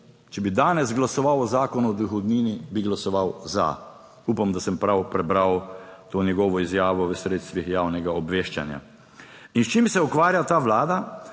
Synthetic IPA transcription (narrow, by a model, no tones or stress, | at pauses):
t͡ʃɛbid̪aːnɛzɡlasɔʋawɔzaːkɔnuɔd̪uxɔd̪niːnibiɡlasɔʋawza̰ | uːpamd̪asɛmpɾawpɾɛbɾawt̪oːnjɛɡɔːʋɔizjaːʋɔʋəsɾeːt̪st̪ʋixjaːwnɛɡaɔbʋeːʃt͡ʃa̰nja̰ | inst͡ʃiːmsɛukʋaːɾjat̪aːʋlaːd̪a